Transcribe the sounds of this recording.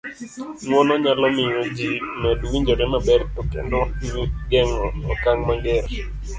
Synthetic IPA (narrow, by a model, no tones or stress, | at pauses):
nwɔnɔɲalɔmɪjod͡ʒinɛdwiɲd͡ʒɔɾɛnabɛɾtokɛ̰ndɔiɡɛŋɔɔkaŋmaŋɡɛɾ